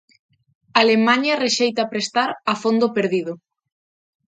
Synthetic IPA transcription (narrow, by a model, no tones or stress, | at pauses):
alemaɲɐreʃejt̪apɾest̪aɾafond̪opeɾðiðʊ